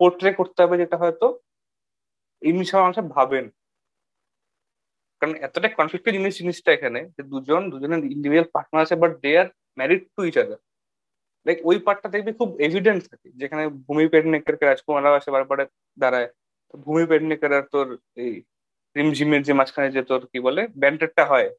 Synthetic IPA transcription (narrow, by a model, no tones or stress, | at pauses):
poɾʈɾekoɾt̪eɦɔbed͡ʑeʈaɦɔet̪o | ejmiʃɔbemãŋʃabʱaben | kaɾonɛt̪oʈajkːɔnflik̚ʈod͡ʑiniʃd͡ʑiniʃʈaekʰaned͡ʑed̪ud͡ʑond̪ud͡ʑoneɾiɳɖibʱid͡ʒalpaɾʈ̚naaʃebaʈ̚d̪ejaɾ | mɛɾiɖ̚ʈuid͡ʑad̪a | lajkojpaʈ̚ːad̪ek̚bikʰubebʱiɖenʈt̪ʰaked͡ʑekʰanebʱumipeɽnekəɾkeɾad͡ʑkumalabaʃebaɾpaɽe | d̪aɾae | t̪obʱumipeɽnekəɾaɾt̪oɾ | ej | pɾimd͡ʑʱimeɾd͡ʑemat͡ɕkʰaned͡ʑet̪oɾkibolebɛɳʈeʈ̚ʈaɦɔe